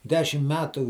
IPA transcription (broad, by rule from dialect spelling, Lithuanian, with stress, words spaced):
ˈdʲæːʃʲɪm ˈmʲæːtʊ